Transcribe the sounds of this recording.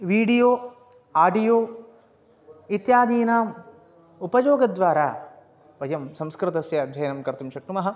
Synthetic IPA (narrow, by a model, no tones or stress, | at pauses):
ʋiːɖijoː | aːɖijoː | it̪jaːd̪iːnaːm | upɐjoːɡɐd̪ʋaːɾaː | ʋɐjɐmsɐ̃mskɾɪt̪ɐsjɐd̪ʱɐjɐnɐmkɐɾt̪umʃɐk̚ʈumɐɦɐ̆